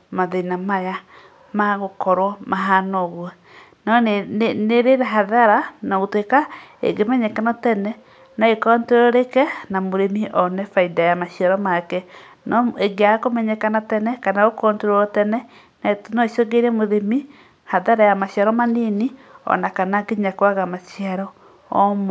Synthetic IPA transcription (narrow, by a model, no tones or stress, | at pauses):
maðenamaja | maɣokɔɾwɔmaɦanɔɣwɛ | nɔneɾeɾɛɦaðaɾanaɣotwekaḛɡemɛɲɛkanɔtɛnɛ | naekɔnteɾɔɾekɛnamoɾemiʔɔnɛfaidajamaɕiaɾɔmakɛ | nɔeɡeakomɛɲɛkanatɛnɛkanaɣokɔnteɾɔtɛnɛ | nanɔesoɡeɾɛmoðemi | haðaɾajamaɕiaɾɔmaniniɔ̰nakanaɡeɲakwaɣamaʃiaɾɔ | ɔm